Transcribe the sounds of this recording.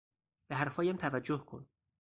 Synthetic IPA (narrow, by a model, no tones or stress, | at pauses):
b̥eɦæɾfɒːjæmt̪ʰævæd͡ʒːohkʰo̰n